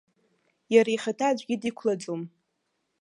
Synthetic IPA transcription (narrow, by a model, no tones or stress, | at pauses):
jaɾaiχatʰad͡ʒʷɡʲɪdikʷʰlad͡zʼom